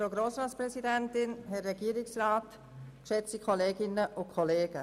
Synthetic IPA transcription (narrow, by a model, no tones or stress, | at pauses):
fɾoɡɾoːsɾaːtspɾɛsidɛntɪnɦɛɛɡ̥iəɾɪksraːt | kʃɛt͡sikʰɔleːɡɪnəʔʊnkʰɔleːɡ̥ə